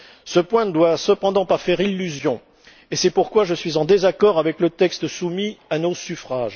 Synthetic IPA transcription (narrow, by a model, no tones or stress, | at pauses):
səpwɛ̃nəd̪wasəpɑ̃d̪ɑ̃pafɛʁilːyzjɔ̃ | esɛpuʁkwaʒəsɥizɑ̃d̪ezakɔʁavɛklət̪ɛkst̪sumianosyfχaʒ